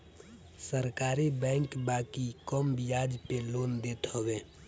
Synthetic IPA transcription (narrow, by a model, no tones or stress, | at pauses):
səɾkaːɾibɛ̃ːŋkbaːkikɔmbijaːd͡ʒpeloːnd̪eːt̪ɦowe